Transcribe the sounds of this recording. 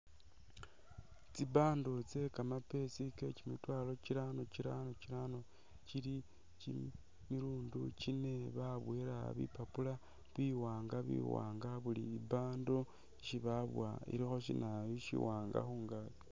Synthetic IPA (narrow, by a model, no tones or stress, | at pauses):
t͡sibaːndot͡se̞kamape̞sikecimitwaːlo̞t͡ʃiɾano̞t͡ʃiɾanot͡ʃiɾano̞ | t͡ʃili | t͡ʃi | miɾuːndut͡ʃine̞βaβweɾa̰βḭpapula | βiwaːŋɡaβḭwa̰ːŋɡaβuliːbaːndo | ʃiβaβwa̰ḭɾixo̞ʃinʔajoʃḭwaːŋɡa̰xuːŋɡaki̥